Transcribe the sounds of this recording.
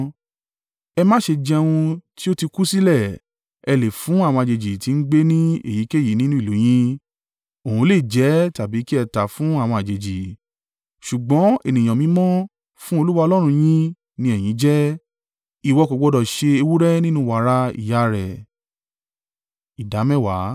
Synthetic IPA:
ɛ˧mã˦ʃe˧d͡ʒɛ˧w̃ũ˧ti˦o˦ti˧ku˦si˦lɛ˦˨ | ɛ˧le˨fũ˨˦a˦˨wɔ̃˧a˨d͡ʒe˨d͡ʒi˨ti˨˧n̩˦ɡ͡be˦nĩ˦ḛ˦˨ji˨˦ke˦˨ji˨˦nĩ˦nũ˦i˦˨u˨˦j̃ĩ˦ | o˨ũ˧˦le˦˨d͡ʒɛ˨˦ta˨bi˨˦ki˦ɛ˧ta˨fũ˦a˦˨w̃ɔ̃˧a˨d͡ʒe˨d͡ʒi˨ | ʃu˨ɡ͡bɔ̃˨˦e˦˨nĩ˨j̃ɔ̃˨mĩ˧˦mɔ̃˦ | fũ˦o˧lu˦wa˦˧o˧lɔ˦ɾ̃ũ˧j̃ĩ˦ | nĩ˧˦ɛ˨j̃ĩ˨˦d͡ʒɛ˦ | i˨wɔ˨˧ko˨˧ɡ͡bɔ˧dɔ˨ʃe˧e˧wu˦ɾɛ˦nĩ˦nũ˦˨wa˨˦ɾa˧˦ḭ˨ja˦ɾɛ̰˨ | i˨da˨˦mɛ̃˦˨wa˨˦

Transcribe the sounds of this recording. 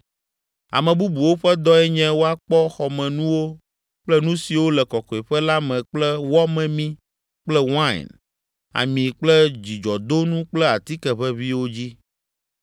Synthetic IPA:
a̰˨mɛ̃˨bu˦bu˨wo˦ɸɛ˦d̪ɔ˦ɛ˦ɲɛ̃˦wo˦a˦k͡pɔ˦xɔ˨mɛ̃˨nũ˦wo˦ | k͡plɛ˦nũ˦si˨wo˦lɛ˨kɔ˨kɔ˨ɛ˨ɸɛ˦la˦mɛ̃˨k͡plɛ˦wɔ˦mɛ̃˨mĩ˦ | k͡plɛ˦wã̰˦˨n | a̰˨mĩ˨k͡plɛ˦d͡ʑi˨d͡ʒɔ˨d̪o˦nũ˦k͡plɛ˦a˨t̪i˦kɛ˨ɸɛ˦βi˦wo˦d͡ʑi˦

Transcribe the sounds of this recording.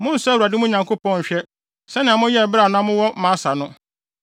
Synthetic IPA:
mʊ̃˦n̩˨sʊ˦a˦˨wa˨dɪ˦mʊ̃˦ɲã˨ŋkʰo˦pɔ̃˦˨ɕᶣɛ˦ | sɛ˦nɪ̃˨a˨mʊ̃˦jɛ˦˨bɪ˦ɾa˨nʊ̃˦a˦mʊ̃˦wɔ˦mã˨˦sa˨nʊ̃˦

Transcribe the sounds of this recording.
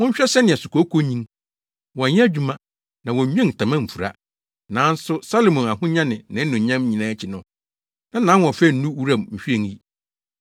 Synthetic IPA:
wʊ̃˦ɲ̩˦ɕᶣɛ˦sɛ˦nɪ̃˨ɛ˨su˨ko˨˦kʰo˦ɲĩ˦ŋ | wɔ̃˨˦d͡ʑᶣu˦mã˦ | nã˨wɔ̃˨˦m˦ɛ̃˦n̩˨tʰã˨mã˦m̩˨fu˨ɾa̰˦ | nãː˨˦n̩˦sʊ˦sa˦lo˨mʊ̃˨na˨ɦʊ̃˦ɲã˦nɪ̃˨nɪ̃˨˦n̩˦nʊ̃˨ɲã˦m˦ɲĩ˨nãː˦t͡ɕʰɪ˨nʊ̃˦ | nã˦nãː˨˦wɔ̃˨fɛ˦˨n̩˦ũ˦wu˦ɾã˨mm̩˨ɕᶣi˦e˦˨ŋji˦

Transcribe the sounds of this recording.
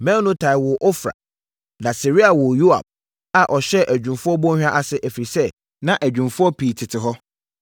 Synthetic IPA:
mɛ̃˦nʊ̃˦tʰa˨ɪ˨wʊ˨ʔɔ˦fɾa̰˨ | nã˨si˨ɾi˦a˨wʊ˨ju˦a̰˨b̚ | a˨ʔɔ˨ɕɛ˦ʔæ˨d͡ʑᶣũ˨mfʊ˦ɔ˦bɔ̃˦hᶣã˦ʔa˦sɪ˦ʔæ˨fɾi˨sɛ˦ | nã˨ʔæ˨d͡ʑᶣũ˨mfʊ˦ɔ˦pʰi˨tʰɪ˨tʰɪ˨ɦɔ˦

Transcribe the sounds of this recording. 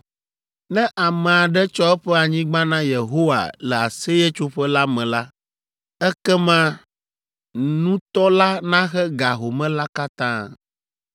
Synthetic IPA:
nɛ̃˦ʔa˨mɛ̃˨a˨ɖɛ˦t͡ʃɔ˦ɛ˦ɸɛ˦a˨ɲĩ˦ɡ͡bã˦nã˦je˨ɦo˦wa̰˨lɛ˨a̰˨se˦je˦t͡ʃo˦ɸɛ˦la˦mɛ̃˨la˦ | ɛ˦kɛ˦mã˦ | nũ˦t̪ɔ˦la˦nã˦xɛ˦ɡa˨ɦo˨mɛ̃˦la˦ka˦t̪ãː˦

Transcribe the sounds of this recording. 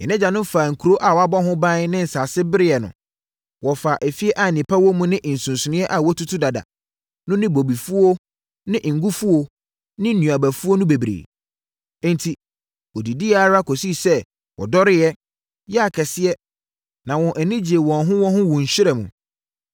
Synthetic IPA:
jɛ˨nɪ̃˦d͡ʑa˨nʊ̃˦faː˨ŋ̩˨kʰu˨ɾo˦ʔa˨wɔ˨˦a˦bɔ˦ɦʊ̃˦bã˦n˦nɪ̃˦n̩˨saː˨sɪ˦bɪ˦ɾɪ˦jɛ˨nʊ̰̃˨ | wɔ˨fa˨ʔɛ˨fi˦ɛ˦ʔa˦˨nɪ̃˨pʰa˦wɔ˦mũ˦nɪ̃˦ʔn̩˨sũ˨nsʊ˨nɪ̃˦ɛ˦ʔa˨wɔ˦tʰu˦tʰu˦da˨da̰˨ | nʊ̃˦nɪ̃˦bo˨bi˨fu˦o˦ | nɪ̃˦ʔŋ̩˨ɡu˦fu˦o˨ | nɪ̃˦nũ˨a˨bæ˨fu˦o˦nʊ̃˦be˨bɾḛː˨˦ | ntʰi˨ | wɔ˨di˨di˦a˦˨˦ɾa˦kʰɔ˨si˦sɛ˦ | wɔ̰˨dɔ˦ɾɪ˦jɛ˦ | jɛ˦a˨kʰɛ˨sɪ˦ɛ˦ | nã˨wɔ̃˨ʔɛ˨nɪ̃˦d͡ʑi˨e˨wɔ̃˨nɦʊ̃˦wɔ̃˦ɦʊ̃˦wũ˨ɲ̩˨ɕᶣɪ˦ɾɛ˨mṵ̃˨

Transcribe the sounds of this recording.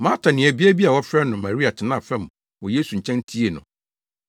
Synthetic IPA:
mã˦tʰa˨nɪ̃˨ɛ˨bi˦æ˦bi˦a˨wɔ˦fɾɛ˦nʊ̃˨ma˨ɾi˦a˨tʰɪ˨nã˦˨fɛ̃˦˨m˨ | wɔ˨je˦su˨ɲ̩˨t͡ɕʰɛ̃˦n˦tʰi˦e˨nʊ̰̃˨

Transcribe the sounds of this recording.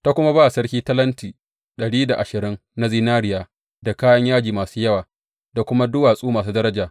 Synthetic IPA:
ta˦kʷʊ˦ma˦baː˦ʔsɐ˦ɽkʲiː˦tɐ˦lɐ˦ntiː˨ | ɗɐ˨ɽiː˦da˨ʔa˨ʃɪ˨ɾɪ˦ŋna˦ziː˦naː˦ɽɪ˨jaː˨ | da˨kaː˦jɐ˦ɲjaː˦d͡ʒiː˨maː˨suː˦jɐ˦waː˨ | da˨kʷʊ˦ma˦dʊ˦waː˨sʼuː˦maː˨s̬uː˦dɐ˦ɾɐ˦d͡ʒaː˨

